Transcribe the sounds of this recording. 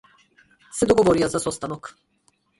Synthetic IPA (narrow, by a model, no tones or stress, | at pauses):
sɛd̪ɔɡɔvɔɾijazasɔst̪anɔk